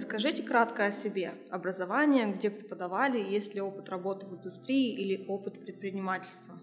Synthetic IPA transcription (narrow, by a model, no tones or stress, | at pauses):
skɐʐɨtʲɪkɾat̪kəɐsʲɪbʲe̞ɐbɾəzɐvanʲɪjəɡdʲe̞pɾʲɪpəd̪ɐvalʲɪjesʲlʲɪo̞pɨ̥t̪rɐbo̞t̪ɨvɨnd̪ʊst̪ɾʲiɪʔilʲɪo̞pɨt̪pɾʲɪt̪̚pɾʲɪnʲɪmatʲɪlʲst̪və